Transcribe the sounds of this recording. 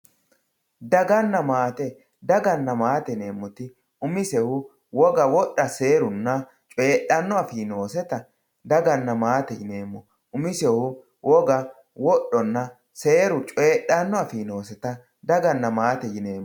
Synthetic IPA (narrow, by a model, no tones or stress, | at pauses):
d̪ɐɡɐnːɐmaːt̪ɛ | d̪ɐɡɐnːɐmaːt̪ɛne̞ːmːɔt̪ɪ | ʊmɪsɛhʊ | wɔɡɐwɔʔːɐse̞ːɾʊnːɐ | t͡ʃʼe̞ːɗɐnːɔɐfɪno̞ːsɛt̪ɐ | d̪ɐɡɐnːɐmaːt̪ɛjɪne̞ːmːɔ | ʊmɪsɛhʊ | wʔɔɡɐ | wɔɗɔnːɐ | se̞ːɾʊt͡ʃʼe̞ːɗːɐnːɔɐfino̞ːsɛt̪ɐ | d̪ɐɡɐnːɐmaːt̪ɛjɪne̞ːmːɔ